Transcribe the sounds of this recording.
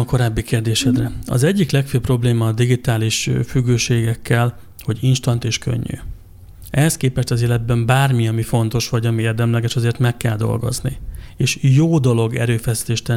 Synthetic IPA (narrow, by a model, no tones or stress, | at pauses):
ko̞ɾaːbːikeːrd̪eːʃɛd̪rɛɒ̰zɛɟːiklɛkføːpro̞bleːmɒːd̪iɡit̪aːliʃfyɡːøːʃeːɡɛkːɛl | ho̞ɟinʃt̪ɒnt̪eːʃkø̰ɲːy̰ | ʔɛst̪̚keːpɛʃt̪ɒziːlɛd̪̚bɛmbaːrmiɒmifo̞nt̪o̞ʃʋɒɟɒmieːrd̪ɛmlɛɡɛʃɒzeːrt̪mɛkːɛld̪o̞̰lɡo̞̰znḭeːʃjoːd̪o̞lo̞ɡɛ̰ɾøːfɛsi̥t̪eːʃt̪ɛ